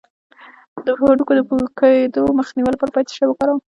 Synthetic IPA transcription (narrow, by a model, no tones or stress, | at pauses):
d̪əhoɖukod̪əpukaed̪oməxniwəlpəɾpajt̪e̥ʃawəkaɾaw